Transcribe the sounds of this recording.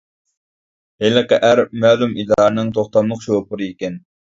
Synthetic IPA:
helɨqɛʔæɾmæːlumid̪ɑːɾɨnɨŋt̪ʰoχt̪ɑmlˠʊqʃopʊɾɨikʲɛn

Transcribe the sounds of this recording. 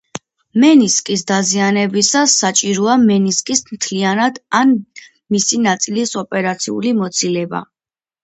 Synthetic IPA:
mɛniskʼisd̪azianɛbisasːat͡ʃʼiɾɔamɛniskʼismt̪ʰlianad̪an | misinat̪sʼilisɔpʼɛɾat̪sʰiṵlimɔt̪sʰilɛba̰

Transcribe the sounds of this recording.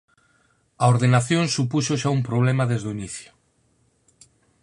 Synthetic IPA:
aoɾðenaθjõŋsupusoʃaumpɾoβ̞lemaðezðoiniθjo̥

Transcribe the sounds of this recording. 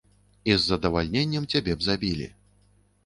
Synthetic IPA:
izːɐd̪ɐvalʲnʲenʲːɛmt͡sʲabʲɛbzabʲilʲḭ

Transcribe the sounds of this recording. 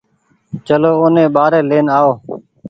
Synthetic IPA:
t͡ʃəloːʊːnẽːɓaːɾeːleːnaːoː

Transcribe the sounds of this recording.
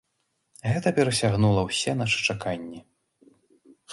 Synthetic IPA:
ɣɛt̪ɐpʲɛɾɐsʲaɣnulˠɐwsʲɛnaʂɨ̥t͡ʂakanʲːi

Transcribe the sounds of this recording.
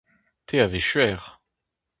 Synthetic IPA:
t̪ʰeaveʃɥɛːʁ

